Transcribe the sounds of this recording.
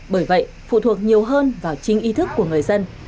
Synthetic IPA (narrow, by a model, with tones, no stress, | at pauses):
ɓəː˧˩jvə̰˧˨jʔfṵ˧˨t̪ʰu˨˩ək̚ɲi˨˩əwɦəː˧nvaː˨˩wt͡ɕï˧˦ŋ̟ʔi˧t̪ʰɨ˦˥kːu˧˩əŋɨ˨˩əjzə˧n